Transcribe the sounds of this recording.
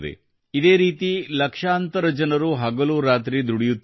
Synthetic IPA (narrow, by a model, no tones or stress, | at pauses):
d̪ḛ | id̪e̞ːɾiːt̪ilɐkʂaːnt̪ɐɾɐd͡ʒɐnɐɾuɦɐɡɐluːɾaːt̪ɾid̪uɽijut̪ː